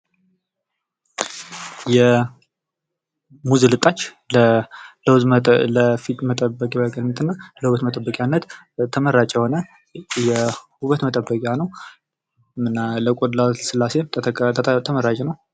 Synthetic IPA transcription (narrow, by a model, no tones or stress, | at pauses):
jɛ | muzelɨt̪ʼːat͡ʃː | lləwzəfit̪mət̪ʼəbːəkʼabakʼannːət̪ʰɨnːaləhuβət̪mət̪ʼəbːəkʼjanːət̪ | t̪ʰːəməɾat͡ʃʼjɛhonə | jɛhuβət̪mət̪ʼəbːəkʼjanəw | ɨnːaləkʷʼod̪lasɨlːase̞m | t̪ʰəməɾat͡ʃʼɛnəw